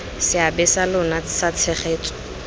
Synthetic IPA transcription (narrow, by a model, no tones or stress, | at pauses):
sɪabɪsalʊnasat͡sʰɛχeːt͡sʼɔ̥